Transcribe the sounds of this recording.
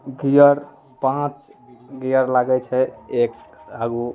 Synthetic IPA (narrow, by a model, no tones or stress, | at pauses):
ɡijəɾ | pãt͡ʃɡijəɾlaɡɛt͡ʃʰɛekaɡu